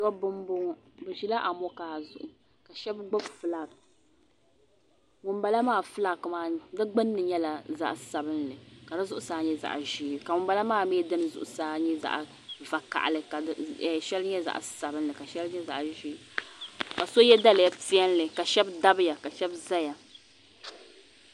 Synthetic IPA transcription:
jɔ˦bɨ˦mbʊ˦ŋ˦ | bɨ˨ʒi˦la˦ʔa˨mɔ˦kaː˨zʊ̰˨ʔʊ˨ | ka˨ʃɛ˦bɡ͡bʊ˦bfɨ˨la˦k | ŋʊ˨mba˨la˦maː˦˨fɨ˦la˦kmaː˦dɨ˦ɡ͡bɨ˦nː˦ɨ˨ɲɛ˦la˨za̰˦ʔsa˨bɨ˦nlɨ˨ka˨dɨ˦zʊ˦ʔʊ˨saː˨˦ɲɛ˦za̰˨ʔʒiː˦˨ka˨ŋʊ˨mba˨˦la˦maː˦˨˦mi˦dɨ˦n˨zʊ̰˨ʔʊ˨saː˦ɲɛ˦za̰˦˨ʔ | va˨ka̰˨ʔa̰˨lɨ˨ka˨ʃɛ˦lɲɛ˦za̰˨ʔsa˨bɨ˦nlɨ˨ka˨ʃɛ˦lɲɛ˦za̰˨ʔʒi˦ | ka˨so˦jɛ˦da˦lɨ˨ja˦ti˦ɛ˦n˦lɨ˨ka˨ʃɛ˦bda˦bɨ˦ja˨ka˨ʃɛ˦bza˦ja˨

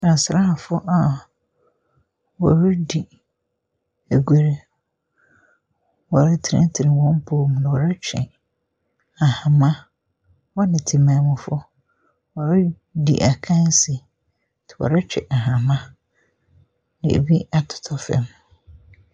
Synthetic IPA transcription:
nã˨sɾa˦a˨fʊ˦ʔa˨ | wɔ˨ɾʊ˦di˨ | æ˨ɡʷe˨ɾe˨ | wɔ˨ɾa˦tʰɪ˨ɾɛ̰̃˦tʰɪ˨ɪ̃˨wɔ̃˦m˦pʰoː˦˨m˨nɪ̃˨wɔ˨ɾa˦t͡ɕᶣʰɛ̰˨ | a˨hã˨mã˦ | wɔ˦nɪ̃˨tʰi˨mã˨mʊ̃˨fʊ˦ | wɔ˨ɾʊ˦ | dḭ˨ʔa˨kʰã˦n˦sɪ˨ | tʰɪ˨wɔ̰˨ɾa˦t͡ɕᶣɛ̰˨ʔa˨ɦã˨mã˦ | nɪ̰̃˨ḛ˨bi˦a˨tʰʊ̥˨tʰɔ˦fɛ̰̃˦m

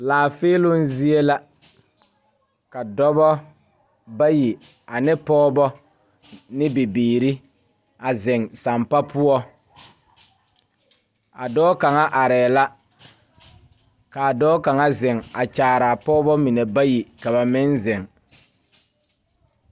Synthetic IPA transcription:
laː˨feː˦lʊ˦nzi˦e˦la˦ | ka˨dɔ˦bɔ˦ | ba˦ji˨ | a˨nɪ˦pɔː˦bɔ˦ | nɪ˦be˨biː˨ɾi˦ | a˨zɪ˨ŋsa˨mpa˦pʊ˦ɔ˦ | a̰˨dɔː˦ka˨ŋa˦ʔa˨ɾɛː˨la˦ | ka˨dɔː˦ka˨ŋa˦zɪ˨ŋa˨t͡ʃaː˨ɾa˨pɔː˦bɔ˦mi˨ne˨ba˦ji˨ka˨ba˨mɪ˦nzɪ˨ŋ

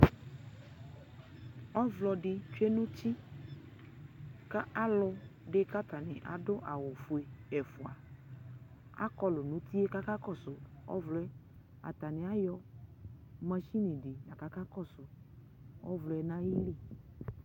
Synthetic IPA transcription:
ɔ˦vlɔ˨ɖɪ˨t͡ʃe˦nũ˦ti˦ | ka˦a˦lʊ˦ɖe˦ka˦t̪a˨nɪ̃˨ʔa̰˨dʊ˦ʔa˨wo˨fu˨e˨ɛ˨fu˨a˨ | a̰˦kɔ˦lʊ˨nũ˦t̪i˦e˦ka˦ka˦kɔ˦˨sʊ˨ɔ̰˦vlɔ˨ɛ˦ | a̰˨t̪a˨nɪ̃˨a˦jɔ˦ | mɛ̃˨ʃi˦nĩ˨ɖi˨nã˨ka˦ka˦kɔ˦˨sʊ˨ | ɔ̰˦vlɔ˨ɛ˨nã˦ji˦li˦˨

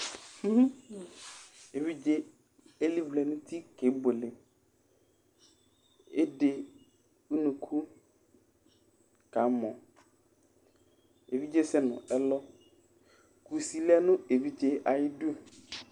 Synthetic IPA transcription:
e˨vi˦d͡ʒe˦ | e˦li˦vlɛ˨nũ˦t̪ʰi˦ke˨˦bo˨le˨ | e˦de˨ | u˦nũ˨kʰu˦ | ka˨˦mɔ̃˨ | e˨vi˦d͡ʒe˦sɛ˦nʊ̰̃˨ɛ˦lɔ˦ | ku˨si˨la˦nʊ̃˦e˨vi˦d͡ʒe˦ʔa˨jɪ˦du˦

